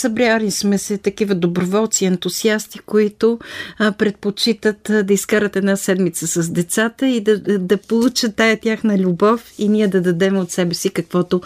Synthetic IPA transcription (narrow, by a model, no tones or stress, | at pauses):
sɐbɾjanismɛsɛt̪ɐkivəd̪obɾovɔlˠt̪siɛnt̪uziast̪ikoit̪ʊpɾɛt̪̚pot͡ʃit̪ət̪d̪ɐiskaɾət̪ɛd̪nasɛd̪mit̪səsɐzd̪ɛt̪sat̪əid̪ɐd̪ɐpolˠut͡ʃət̪ːajɐt̪ʲjaxnəlʲubɔfiniɛd̪ɐd̪ɐd̪ɛmot̪sɛbɛsikɐkvɔt̪o